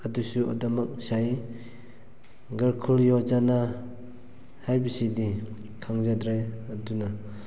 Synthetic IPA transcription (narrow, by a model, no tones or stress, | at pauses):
ɐdusuɔ̰dɔmak̚saj | ɡɐɾkʰuljɔd͡ʒana | hajbisidi | kʰaŋzadɾaɐduna